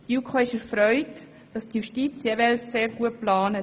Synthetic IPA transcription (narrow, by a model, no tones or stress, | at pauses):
djuːkʰoːɪʃɛɾfɾœʏt | d̥ɑstjuʃtiːt͡sjɛʋɛlsːeːɾɡuət̚plɑːnə